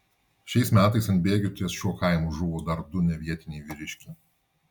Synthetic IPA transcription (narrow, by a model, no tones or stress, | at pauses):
ʃʲɛɪsmʲæːt̪ɐɪsɐnt̪ʲbʲeːɡʲʊt̪ʲiɛsʃʲuɔkɐˑɪmʊʒʊʋoːd̪ɐɾd̪ʊnʲɛʋʲiɛt̪ʲɪnʲɛɪʋʲɪɾʲɪʃʲkʲɛ